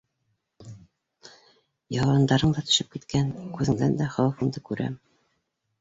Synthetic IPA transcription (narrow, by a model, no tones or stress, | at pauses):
jɑwɑnd̪ɑɾɤɴd̪ɑt̪ɵ̥̆ʃɘp̚kit̪kænkʉðɘ̆ŋd̪ænd̪æχɑwɤfɤ̆nd̪ɤkʉɾæ̰m